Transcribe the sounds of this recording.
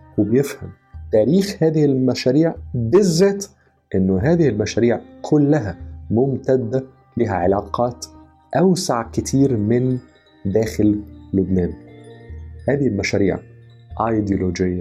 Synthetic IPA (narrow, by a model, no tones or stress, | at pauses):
wɪbejefha̰m | t̪æːɾiːxhæːðɪhɪlmæʃæːɾiːʕbɪzːæːt̪ | ʔɪnːʊɦæːðɪhɪlmæʃæːɾiːʕkʰʊlːæɦæmʊmt̪æd̪ːæ | biːɦæʕelɑːqɑːt̪ | ʔawsaʕkɪt̪ʰiːɾmɪn | d̪æːxɪlːʊbnæːn | hæːðɪhɪlmæʃæːɾḭːʕ | ʔɑjd̪joloːd͡ʒɪjːa